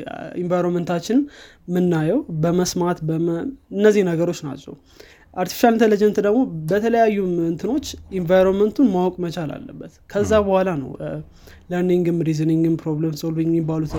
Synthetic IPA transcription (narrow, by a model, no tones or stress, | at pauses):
invajɾonmənt̪ʰat͡ʃːɪn | mɨnːajɛwbəməsmat̪bəmɨnːəzːihnəɡəɾo̞t͡ʃːna̰t͡ʃːɛw | ʔaɾt̪ʰi̥fi̥ʃalnt̪ʰələd͡ʒənt̪d̪əɡmo̞bət̪ʰələjajːuɨnt̪ʰɨno̞t͡ʃːinvajɾonmənt̪ʰunmawɔkʼmət͡ʃʼala̰lːə̰bːət̪kʰəzːabəhʷalanə̰w | ləɾniŋɡɨmɾizɨniŋɡɨmpʰɾoblemsolviŋɡmɪbalut̪